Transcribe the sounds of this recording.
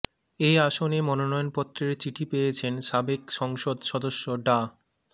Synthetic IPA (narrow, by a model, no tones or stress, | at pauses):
ejaʃonemɔnonɔjonpɔt̪ːɾeɾt͡ɕiʈʰipejet͡ɕʰenʃabekʃɔŋʃod̪ʃɔd̪oʃːoɖa